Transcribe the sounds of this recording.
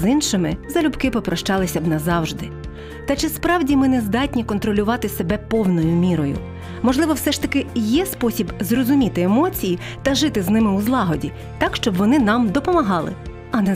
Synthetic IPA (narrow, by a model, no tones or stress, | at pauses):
zinʃɪmɪzɐlʲʊbkɪpɔpɾɔʃt͡ʃɑlˠɪsʲɐbnɐzɑwʒd̪ɪ | t̪ɐt͡ʃɪspɾɑwdʲimɪnɛzd̪ɑtʲnʲikɔnt̪ɾɔlʲʊʋɑt̪ɪsebɛpɔwnɔjʊmʲiɾɔjʊ̰ | mɔʒlˠɪʋɔwsɛʃt̪ɐkɪjɛspɔsʲibzrɔzʊmʲit̪ɪemɔt͡sʲiji | t̪ɐʒɪt̪ɪznɪmɪuzlˠɑɦɔdʲi | t̪ɑkʃt͡ʃɔbʋɔnɪnɑmd̪ɔpɔmɐɦɑlˠɪ̰ | ɐnɛ